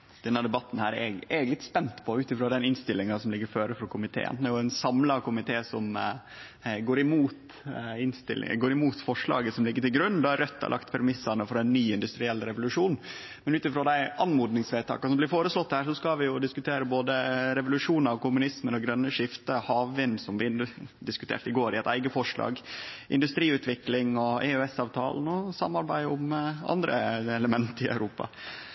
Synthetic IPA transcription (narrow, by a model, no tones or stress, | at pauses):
d̪̥ɛnːəd̪ɛbɑt̪ːn̩hæːɾɛ̰ɡɛɡlɪt̪spɛnt̪pʰɔʉːt̪ɪfɾoːd̪ɛnɪnst̪ɪlːɪŋɑsɔmlɪɡːəɾføːɾəfɾɔkʰʊmɪt̪ʰḛːə̰nd̪æjʊæɪnsɑmlɑkʊmɪt̪ʰeːsɔm | ɡoːɾɪmuːt̪ | ɪnst̪ɪ̰lɪ̰ɡoːɾɪmuːt̪fɔʂɭɑ̰ːɡəsɔmlɪɡːəʈɪlɡɾʉnd̪ɑɾœt̪ʰːɑ̰lʔɑ̰kt̪pʰɛɾmɪsːɑnəfɔɾɛɪnːyːɪnd̪ʉst̪ɾɪɛlːɾɛʋʊlʉʂuːn | mɛnʉːt̪ɪfɾoːd̪æɪɑnmuːd̪nɪŋsʋeːt̪ʰɑ̰ːkɑsɔmblɪɾfoːɾəslɔt̪ːhæːɾʂɔskɑʋɪjʊd̪ɪskʉt̪ʰeːɾəboːd̪əɾɛʋʊlʉʂuːnɑʋkʊmʉnɪsmənɔɡɾœnːəʂɪft̪əhɑːʋʋɪnsɔmʋɪnd̪ɪskʉt̪ʰḛːʈɪɡoːɾɪɛt̪æɪɡəfɔʂlɑ̰ːɡʔɪ̰nd̪ʉst̪ɾiːʉːt̪ʋɪklɪŋɔɛøɛsɑːʋt̪ʰɑ̰ːln̩ɔsɑ̰mːɑɾbæɪʊmɑ̰nd̪ɾə̰ɛləmɛnt̪ɪœ̰ʉɾuːpɑ̰